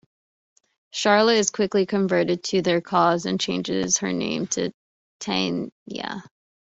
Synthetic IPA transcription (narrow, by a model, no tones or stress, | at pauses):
ʃɑɹlˠiɨz̥kʰw̥ɪklikʰɨ̃ɱvɜ˞ɾɨd̚tʰɨðə˞kʰɔzɨ̃nt͡ʃʰẽɪ̃nd͡ʒɪ̰z̥hə̰˞nḛ̃ɪ̃mtʰɨ̰ | tʰḛ̃ɪ̃njæ̰